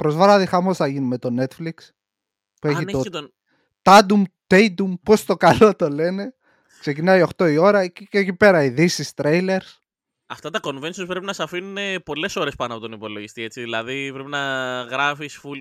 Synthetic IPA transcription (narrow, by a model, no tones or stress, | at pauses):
pɾo̞zvɐɾɐðixɐmo̞sθɐʝinme̞t̪o̞ne̞t̪fliks | pueçineot̪o | t̪ɐd̪umt̪ejd̪umpo̞st̪o̞kɐlo̞t̪o̞le̞ne̞ | kse̞cinɐjo̞xt̪o̞io̞ɾɐcceːcipe̞ɾɐiðisist̪ɾejle̞ɾs | ɐft̪ɐt̪ɐko̞nve̞nsiospɾpinɐsɐfinunepo̞le̞so̞ɾe̞spɐnoɐpo̞t̪onopo̞lo̞ʝist̪ie̞t͡siðilɐðipɾepinɐɣɾɐfisful